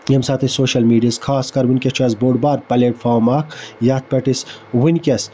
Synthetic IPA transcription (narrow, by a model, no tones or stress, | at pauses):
jɐmsaːt̪ʰesoːʃɐlmiːɖiɐskʰaːskɐɾwɪnʲkʲet͡ʃɐsboːɖbaːɾpɐleːʈfʰaːɾmaːkʰjaːt̪̚ʰpeʈiswɪnkʲɐs